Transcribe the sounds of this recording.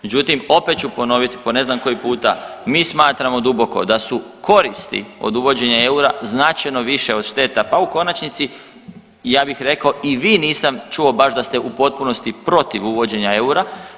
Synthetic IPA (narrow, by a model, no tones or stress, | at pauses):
med͡ʑut̪imo̞pe̞t̪t͡ʃupo̞no̞ʋit̪ipone̞znamko̞jipuːt̪a̰miːsmaːt̪ɾamo̞d̪ubo̞ko̞̰d̪asuko̞ɾist̪ḭo̞̰d̪uʋo̞d͡ʑe̞ɲae̞uɾaznat͡ʃajno̞ʋiʃe̞o̞d̪̥ʃt̪e̞t̪apauko̞nat͡ʃnit̪si | jaːbixɾe̞kao̞iʋiːniːsamt͡ʃuobaʃd̪ast̪eʔupo̞t̪̚puno̞st̪ipɾo̞t̪iʋuʋo̞d͡ʑe̞ɲaeuɾa